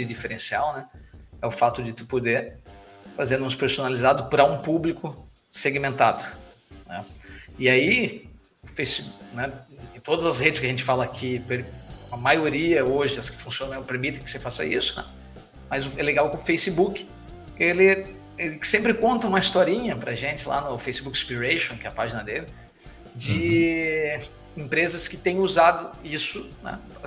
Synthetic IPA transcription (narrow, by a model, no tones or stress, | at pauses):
ɪd͡ʒifeɾẽsiawnɛɛʊfat̪ʊd͡ʒɪt̪u̥pod̪eɾfazẽɾnd̪ũspeɾsonalizad̪ʊpɾɐũpublikʊ | seɡimẽnt̪ad̪ʊ | nɛ̰ɪai | ʊfejsɪbunɛẽt̪od̪ɐzɐzhed̪ɪskʲɪɐʒẽnt͡ʃɪfalɐːkʰipeɾɐmajoɾiɐoʒɪɐskɪ̥fũsiõnɐ̃peɾmit̪ẽkɪ̥sefasɐ̰ḭsʊ̥nɛ̰ | mɐzʊɛleɡawkɪ̃ʊfejsɪbukɪ̥ | elɪ | eɪ̥sẽmpɾɪkõnt̪ɐũmɐist̪ɔɾĩɲɐpɾɐ̰ʒẽnt͡ʃɪlʔa̰nʊfejsɪbukɪ̥spiɾejʃõkɛɐpaʒinɐd̪elɪ | d͡ʒɪ | ẽpɾezɐskɪt̪ẽj̃uzad̪ʊisʊnɛ̰